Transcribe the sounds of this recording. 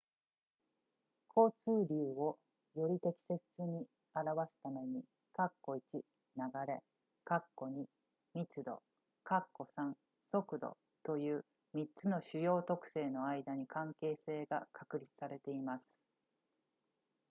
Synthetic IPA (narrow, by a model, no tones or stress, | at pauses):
kʰo̞ːt͡sɨːɾʲɯːo̞ | jo̞ɾʲit̪e̞kʲi̥se̞t͡sɨɲ̟i | aɾaβasɨ̥t̪ame̞ɲ̟i | kakːo̞it͡ɕi | naɡaɾe̞ | kakːo̞ɲ̟i | mʲit͡sɨd̪o̞̰ | kakːo̞sãŋ | so̞kɯ̟d̪o̰ | t̪o̞jɯ̟ː | mʲit͡sɨno̞ɕɨjo̞ːt̪o̞kɯ̟̥se̞ːno̞aid̪aɲ̟ikʰãŋke̞ːse̞ːɡakʰakɯ̟ɾʲit͡sɨ̥saɾe̞t̪e̞imasɨ̥